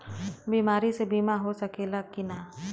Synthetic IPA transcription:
biːmaːɾisebiːmaɦosɐkeːlakɪnaː

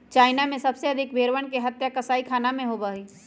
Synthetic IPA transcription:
t͡ʃaːɪnamẽsɐbseɐd̪ʱɪkbeːɾʋəɳkeɦɐt̪jakɐsaːikʰaːnamẽɦoːbaːɦiː

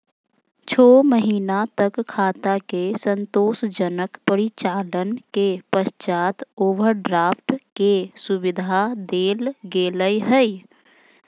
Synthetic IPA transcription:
t͡ʃʰoːməɦiːnat̪əkkʰːaːt̪akesə̃nt̪oːsd͡ʒənəkpəɾit͡ʃaːlənkepəst͡ʃaːt̪oːʋəɾɖɾaːpʰʈkesubɪd̪ʱad̪eːlɡeːləjɦəi

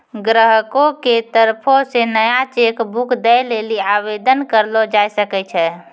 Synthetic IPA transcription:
ɡɾəɦəkõket̪əɾpʰõsenəjat͡ʃekbukʰd̪ɛjleliabed̪ənkəɾlod͡ʒajsəkɛt͡ʃʰɛ

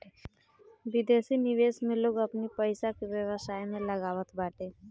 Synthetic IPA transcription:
ʋɪd̪esinɪʋeːsmẽloːɡəpnipəjsakeʋjəʋəsajmẽləɡaːʋət̪baːʈe

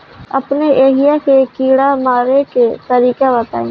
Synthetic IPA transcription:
əpneʔeːɦɪjakekiːɽamaːɾeket̪əɾiːkabət̪a̰ːĩː

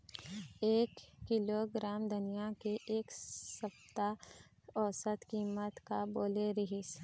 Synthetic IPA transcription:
eːkːɪloɡɾaːmd̪ʊnijakeʔeːksəbt̪a | ɔːsət̪kiːmət̪kaboːleɾɪɦis

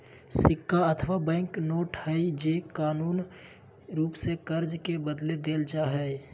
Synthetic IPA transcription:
sɪkːaət̪ʰʋabɛ̃ːŋknoːʈhəid͡ʒeːkaːnuːn | ɾuːpsekəɾd͡ʒkebəd̪led̪eːld͡ʒaɦɛ

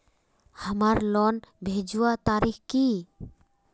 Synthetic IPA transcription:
həmaɾlɔnbʱeːd͡ʒuwat̪aːɾixki

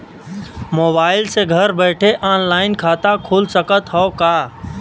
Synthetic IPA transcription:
moːbaːɪlseɡʱəɾbɛːʈʰeʔaːnlaːɪnkʰaːt̪akʰuːlsəkət̪ɦɔkaː

